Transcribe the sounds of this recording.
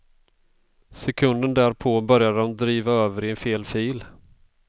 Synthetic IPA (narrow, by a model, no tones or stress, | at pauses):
sɛkʰɵnd̪ənd̪æːɾpʰoːbœɾjad̪əd̪ɔmd̪ɾiːvaøːvəɾɪɛnfeːlfiːl